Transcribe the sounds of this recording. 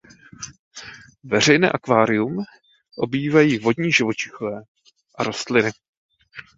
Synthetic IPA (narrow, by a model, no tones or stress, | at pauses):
vɛr̝ɛjnɛ̰ːʔakvaːɾɪjum | ʔo̞biːvajiːvo̞dɲiːʒɪvo̞t͡ʃɪxovɛː | ʔaɾo̞st̪lɪnɪ